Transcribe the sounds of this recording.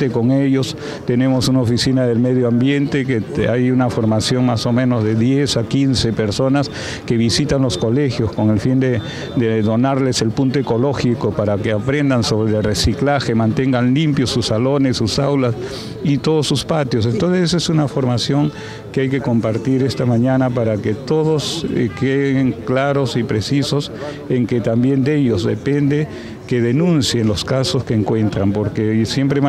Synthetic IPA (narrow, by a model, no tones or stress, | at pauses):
t̪eko̞ŋeʎo̞s | t̪e̞ne̞mo̞sunaofisinaðe̞lmeðjoambje̞nt̪ekeajunafo̞ɾmasjo̞ŋmaso̞mẽ̞no̞zðe̞ðje̞sakinse̞pe̞ɾso̞nas | ke̞βisit̪anlo̞sko̞le̞xjosko̞ŋelfind̪e | d̪eðo̞naɾle̞se̞lpunt̪oeko̞lo̞xikopaɾakeapɾe̞nd̪anso̞βɾelresiklaxe̞mãnt̪e̞ŋɡanlimpjosusːalo̞ne̞sːusawlas | it̪o̞ðosuspat̪jos̬e̞nt̪o̞nsesesunafo̞ɾmasjo̞ŋ | keajke̞ko̞mpaɾt̪iɾe̞st̪amaɲanapaɾake̞t̪o̞ðoskeðeŋklaɾosipɾesisos | eŋke̞t̪ambje̞nd̪e̞ʎo̞zðḛpe̞nd̪e | ke̞ðe̞nũnsje̞nlo̞skasoskeːŋkwe̞nt̪ɾampo̞ɾkesje̞mpɾe